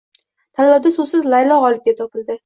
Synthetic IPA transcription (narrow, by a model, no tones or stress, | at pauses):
t̪ʰalːawd̪asʊsɪzlajlɒʁɒlˠɪp̚ɡʲap̚t̪ʰɒpɪld̪ɪ